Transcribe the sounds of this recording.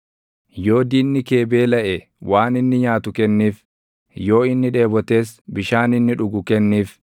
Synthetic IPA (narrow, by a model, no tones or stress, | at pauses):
jo̞ːd̪iːnːɪke̞ːbe̞ːlɐʔɛ | waːnɪnːɪɲaːt̪ʊkɛnːiːf | jo̞ːɪnːɪᶑe̞ːbɔt̪e̞ːsbɪʃaːnɪnːɪᶑʊɡʊkɛnːiːf